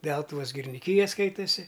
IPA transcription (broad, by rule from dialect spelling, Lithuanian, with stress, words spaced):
ˈdʲɛlˠtʊʋoːs ɡʲɪrʲɪnʲɪˈkʲiːjɛ ˈskɐɪtɐsʲɪ